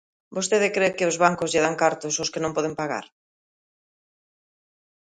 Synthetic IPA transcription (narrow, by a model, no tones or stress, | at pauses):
bost̪eðɪkɾekɪʊzβaŋkʊzʎɪðaŋkaɾt̪ʊsʊskɪnõmpɔð̞ɪmpaɣa̰ɾ